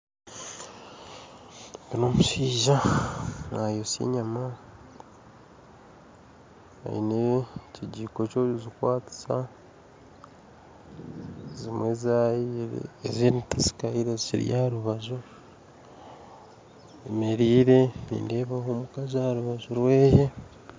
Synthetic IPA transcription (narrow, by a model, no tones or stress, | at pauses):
ɡinomuʃiːʒa | najosḭɲama | a̰jḭneciɟiːkocoizikwaːti̥sa̰ | zimwe̞zajḭezinitasi̥kaiɾezḭɾḭjaɾuβazo | emeɾiːɾe̞nḭːndeːβahomukazaɾuβaʒuɾweːje